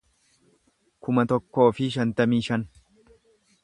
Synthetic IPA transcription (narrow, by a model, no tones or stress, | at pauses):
kʊmɐt̪ɔkːo̞ːfɪʃ̬ɐnt̪ɐmiːʃɐn